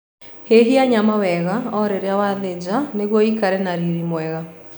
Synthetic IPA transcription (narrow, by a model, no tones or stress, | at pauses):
heɦiaɲamawɛɣaɔɾeɾeawaðed͡ʑaneɣwɔikaɾɛnaɾiɾimwɛɣa